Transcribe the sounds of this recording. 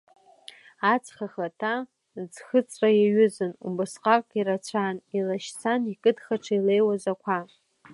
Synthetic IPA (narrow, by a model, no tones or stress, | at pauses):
at͡sʰʼχaχatʰa | zxɨt͡sʼrajaɥʏzɨnṵbɨsqʼakʼiɾat͡ɕʷʰanilaʃt͡sʰanikʼɨdχaʈ͡ʂʰailejwazakʷʰa